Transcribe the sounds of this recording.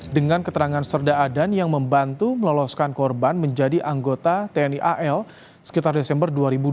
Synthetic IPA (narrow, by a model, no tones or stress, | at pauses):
dəŋankət̪əɾaŋansərdaːdanjaŋməmbant̪uməlɔlɔskankɔrbanməɲd͡ʒadiʔaŋɡot̪at̪eɛniʔaʔɛl | sə̥kit̪ardesɛmbərduaɾibu